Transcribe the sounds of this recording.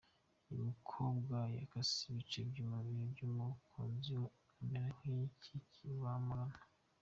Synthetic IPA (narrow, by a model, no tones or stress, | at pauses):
iβikʰobɡwaja̰kasiβit͡ʃebɟumaβiɾobɟumukʰo̰ːnzi | meɾahicʰicʰiβamuɡana